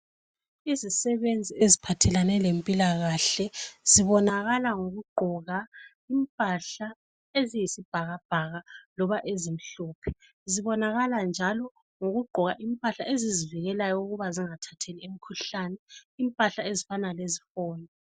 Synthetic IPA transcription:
izisɛβend͡zʱiezipʰatʰɛlanɛlempʼilaɣaɬɛz̥iβɔnaɣalaŋoɣuɡ͡ǃʱɔɣa | impʼaɬa | ezijisib̥ʱaɣab̥ʱaɣalɔβaʔezim̩ɬɔːpʰɛ̥ | ziβɔnaɣaland͡ʒʱalɔ | ŋoɣuɡ͡ǃʱɔɣaʔimpʼaɬaʔeziziviɣɛlajɔuɣuβaziŋatʰatʰeliem̩kʰuɬanɛimpʼaɬaezifanalezifɔːnɛ

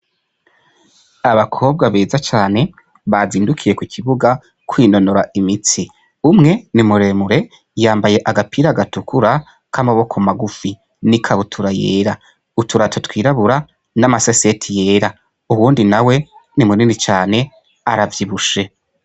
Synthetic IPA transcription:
aβakʰo̞ːb̚ɡaβeːzat͡ʃaːne̞ | βaziːndukʰije̞kwikʰiβuɡa | kwiːno̞noɾaimit͡si | umŋe̞nimuɾe̞muɾe̞ | jaːmbaje̞ʔaɡapʰiɾaɡatukʰuɾa | kʰamaβo̞kʰomaɡufi | nikʰaβutʰuɾaje̞̰ːɾa | utʰuɾatʰotwiːɾaβuɾa | namasese̞tʰije̞ːɾa | uwuːndinawe̞nimuninit͡ʃaːne̞ | aɾavjiβuʃe̞

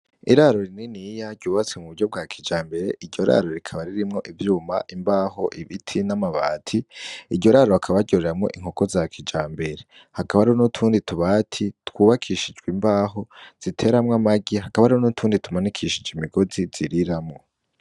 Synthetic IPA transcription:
iɾaɾo̞ɾininijaɟuːβat͡semuβuɟo̞b̚ɡaːkʰid͡ʒaːmbe̞ɾe̞ʔiɾɟo̞ɾa̰ɾo̞ɾikʰaβaɾiɾimŋo̞ʔivjuːma̰ʔimbaːɦo̞ʔiβitʰinamaβa̰ːtʰiiɾɟo̞ɾaːɾoakʰaβaɟoɾeɾamŋo̞̰ʔiŋ̥hoko̞zakʰid͡ʒaːmbe̞ɾe̞ | hakaβaɾionutʰuːndituβaːtʰitwuːβakʰiʃid͡ʒɡwimbaːɦo̞z̥itʰe̞ːɾamŋamaɡiɦakaβaɾionutʰuːnditumanikʰiːʃid͡ʒeimiɡo̞ziz̥iɾiɾamŋo̞

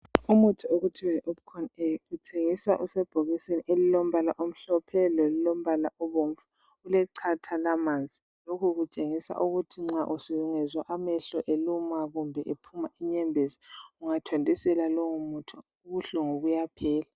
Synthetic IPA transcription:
umutʰɔoɣutʰiwaʔɔpkʰɔneɣutʰeŋisaʔusɛb̥ʱoɣiseniʔelilom̩βalaʔom̩ɬɔpʰɛlolilɔm̩βalaʔɔβoɱfu | ulɛǀʰatʰalamand͡zʱi | lokʰuɣut͡ʃʼeŋisa̰ʔuɣutʰiŋ͡ǁaʔusiuŋɛzwaʔamɛɬɔʔelumaɣumbʱɛʔepʰumaʔiɲɛmbʱezi̥uŋatʰwandʱʼisɛlalɔŋumutʰɔ | uɣuɬɔŋoɣujapʰɛːla

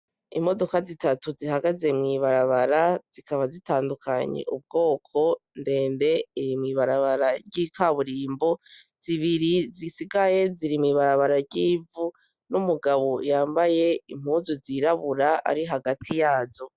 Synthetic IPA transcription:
imo̞do̞kazitatuzihaɡaze̞mŋiβaɾaβaɾaz̥ikʰaβazitaːndukʰaɲḛʔub̚ɡo̞ːkʰo̞nde̞ːnde̞iɾimŋiβaɾaβaɾaɾɟiːkaβuɾiːmbo̞ | z̥iβiɾizisiɡaje̞ziɾimŋiβaɾaβaɾaɾɟiːvu | numuɡaβo̞jaːmbaje̞im̥huːzuziɾaβuɾaa̰ɾiɦaɡatʰijaːzo̞

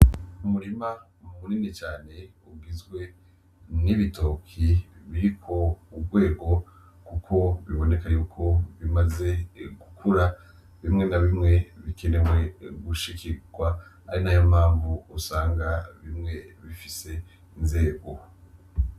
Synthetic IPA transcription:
umuɾima | umumuninit͡ʃaːne̞uɡizɡwe̞ | niβitʰo̞ːkʰiβiɾikʰo̞ubɡwe̞ːɡo̞ | kukʰo̞βiβo̞ne̞kaɾijukʰo̞βimaze̞ɡ̥ukʰuɾa | βimŋe̞naβimŋe̞βikʰe̞ne̞we̞ɡuʃikʰiɡ̥wa | aɾinajomaːɱvuosaːŋɡaβimŋe̞βifise̞ | inze̞ːɡo̞

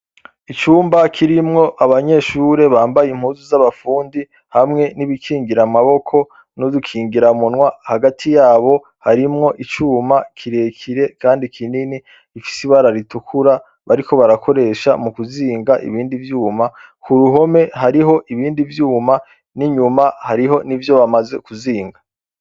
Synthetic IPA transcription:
it͡ʃuːmbakʰiɾimŋo̞ʔaβaɲe̞ʃuːɾe̞βaːmbajim̥huːzuzaβafuːndi | hamŋe̞niβikʰiːŋɡiɾamaβo̞kʰo̞ | nodukʰiːŋɡiɾamunŋwahaɡatʰijaːβo̞ | haɾimŋo̞ʔit͡ʃuːmakʰiɾe̞ːkʰiɾe̞kaːndikʰinini | ifi̥siβaɾaɾitukʰuɾa | βaɾikʰo̞βaɾakʰo̞ɾe̞ʃa̰mukuziːŋɡaʔḭβiːndivjuːmakʰuɾuɦo̞me̞ɦaɾiɦo̞ʔiβiːndivjuːma | niɲumahaɾiɦo̞nivjo̞βamaze̞kuziːŋɡa

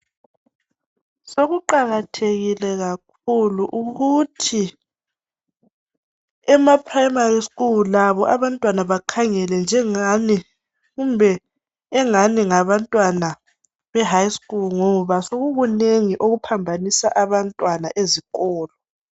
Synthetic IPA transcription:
soɣuǃaɣatʰeɣilɛɣak̚ʰuluʔuɣutʰi | ɛmapʰrajmariskʼullaβɔʔaβantʼwanaβakʰaŋɛlɛnd͡ʒʱɛni | ɣumbʱɛː | ŋaniŋaβantʼwana | βɛɦajskʼulŋɔβasoɣuɣuneŋiʔoɣupʰambʱanisa̰ʔaβantʼwanaʔeziɣɔːlɔ

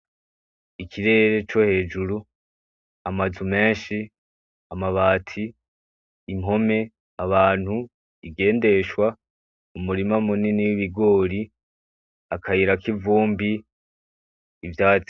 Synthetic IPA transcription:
ikʰiɾe̞ɾe̞t͡ʃo̞he̞ːd͡ʒuɾu | amazume̞ːnʃi | amaβaːtʰiː | mɦo̞me̞ | aβaːn̥hu | iɡe̞ːnde̞ʃwa | umuɾimamuniniwiβiɡo̞ːɾi | akʰaiɾakivuːmbi | vjaːt͡si

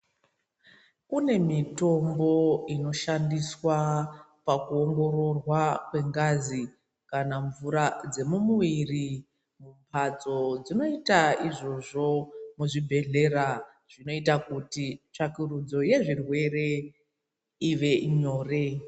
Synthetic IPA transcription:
kune̞mito̞mbo̞inoʃandiswa | pakuoŋɡo̞ɾo̞rwakwe̞ŋɡazi | kanaɱvuɾad͡ze̞mumuiri | mumpʰad͡zo̞d͡zino̞itaiʐo̞ʐo̞muʐibʱe̞ɮe̞ɾa | ʐ̥ino̞itakutit͡ʂakirud͡zo̞je̞ʐirwe̞re̞ | iʋe̞ɲo̞ːre̞

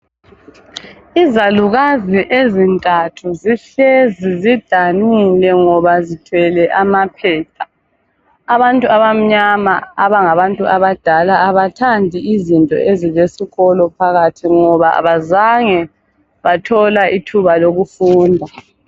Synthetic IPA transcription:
izaluɣaziʔezintʼatʰuziɬɛzizid̥ʱanulɛŋɔβazitʰwɛlɛʔamapʰɛːpʰaː | βantʼuaβam̩ɲamaaβaŋaβantʼuaβad̥ʱalaːβatʰandʱiizintʼɔ̰ʔezilesiɣɔlɔpʰaɣatʰiŋɔβaa̰βazaŋɛ | βatʰɔlaʔitʰuβaloɣufuːndʱa

